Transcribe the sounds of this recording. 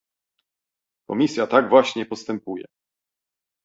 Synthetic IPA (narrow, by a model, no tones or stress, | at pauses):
kɔ̰mʲisʲjat̪aɡvwaɕɲɛpɔst̪ɛmpujɛ̰